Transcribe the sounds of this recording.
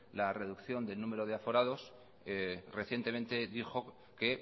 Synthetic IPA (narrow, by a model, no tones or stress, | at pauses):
lare̞ðukθjo̞nd̪e̞lnũme̞ɾo̞ð̞e̞afo̞ɾað̞o̞s | re̞θje̞nt̪e̞mẽ̞nt̪e̞ðixo̞ | ke̞